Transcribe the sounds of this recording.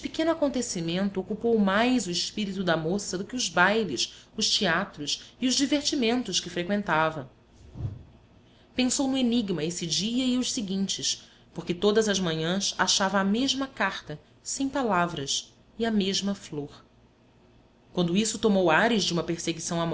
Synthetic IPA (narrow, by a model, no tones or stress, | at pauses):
pɪkẽnʊakõnt̪esimẽnt̪ʊokupowmajzʊɪʃpiɾit̪ʊd̪ɐmosɐd̪ʊkɪʊzbajlɪsʊʃt͡ʃiat̪ɾʊsiʊʒd͡ʒiveɾt͡ʃimẽnt̪ʊʃkɪfɾekwẽnt̪avɐ | pẽsownʊeniɡmɐesɪd͡ʒiɐiʊʃsiɡĩnt͡ʃɪʃ | poχkɪt̪od̪ɐzɐʒmɐ̃ɲɐ̃sa̰ʃavɐːmeʒmɐkaχt̪ɐ | sẽj̃palavɾɐs | iɐmeʒmɐfloɾ | kwɐ̃nd̪ʊisʊt̪omowaɾɪʒd͡ʒɪũmɐpeɾseɡisɐ̃w̃amɔ